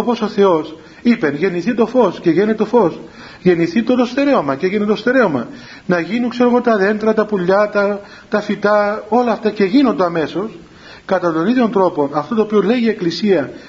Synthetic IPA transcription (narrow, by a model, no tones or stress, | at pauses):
opo̞so̞θe̞o̞s | ipe̞nʝe̞niθit̪o̞fo̞sce̞ʝe̞net̪et̪o̞fo̞s | ʝe̞niθit̪o̞ðost̪e̞ɾe̞o̞mɐceʝenet̪ost̪e̞ɾe̞o̞mɐ | nɐʝinuŋkse̞ɾoɣo̞t̪ɐðe̞nt̪ɾɐt̪ɐpuʎːɐt̪ɐ | t̪ɐfit̪ɐo̞lɐːft̪ɐce̞ʝino̞nd̪eɐme̞so̞s | kɐt̪ɐt̪o̞niðʝo̞nt̪ɾo̞po̞nɐft̪ot̪oːpiole̞ʝie̞klisiɐ